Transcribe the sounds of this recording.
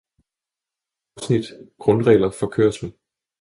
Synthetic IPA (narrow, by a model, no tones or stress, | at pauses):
snid̥ɡ̥ʁɔ̽nʁɛ̰ːlɐfɒ̽kʰøːɐsme